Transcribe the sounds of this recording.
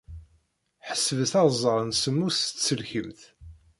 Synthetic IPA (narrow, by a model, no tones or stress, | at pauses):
ħə̥sːəvəθɑzˤːəʁˤnsəmːʊst͡sːəlçəmθ